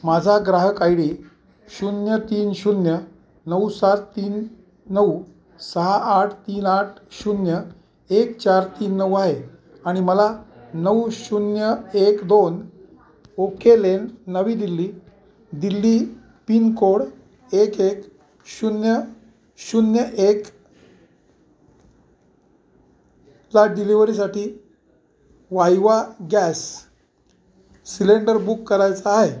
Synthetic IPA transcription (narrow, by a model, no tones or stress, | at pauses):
mad͡zʱaɡɾaɦəkajɽi | ɕunjət̪iːnɕunjə | nəwsat̪t̪iːnː | əw | səɦaːʈʰt̪iːnaʈ̚ʰɕunjə | ekt͡ɕaɾt̪iːnːəwaɦe | aɽ̃iməlanəwɕunjəekd̪on | okʰelenːəʋiːd̪ilːiː | d̪ilːiː | pinkoɽ | ekek | ɕunjə | ɕunjəʔek | laɖiliʋəɾis̬aʈiː | ʋajʋaɡɛs | ileɳɖəɾbukːəɾajt͡saːɦe